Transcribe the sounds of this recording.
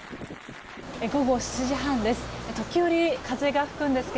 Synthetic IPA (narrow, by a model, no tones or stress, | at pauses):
eɡo̞ɡo̞ɕi̥t͡ɕiʑiɦãnd̪e̞sɨ̥et̪o̞kʲijo̞ɾʲikʰaze̞ɡaɸɯ̟̥kɯ̟̃nd̪e̞sɨ̥ke